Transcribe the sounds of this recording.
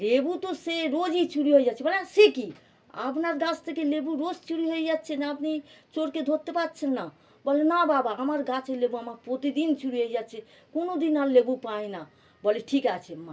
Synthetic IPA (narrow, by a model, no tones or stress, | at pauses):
lebut̪oseɾod͡ʒit͡ʃuɾiɦojd͡ʒat͡ʃʰɛbəlaseki | a̰pnaɾɡãt͡ʃt̪ekelebuɾod͡ʒt͡ʃuɾiɦoid͡ʒatt͡ʃʰɛnaəpnet͡ʃoɾked̪ʱot̪ːepat̪̚t͡ʃʰɛnːa | bəlenababaɦəməɾɡat͡ʃelebuamaɾpɾot̪id̪int͡ʃuɾiɦoid͡ʒat͡ʃʰɛ | konod̪inalːebupaina | bəleʈʰikat͡ʃʰɛma